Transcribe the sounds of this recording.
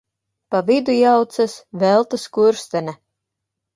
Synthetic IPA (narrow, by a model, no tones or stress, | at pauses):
pavid̪ujawt̪sasvɛlˠt̪askuɾst̪ɛnʲɛ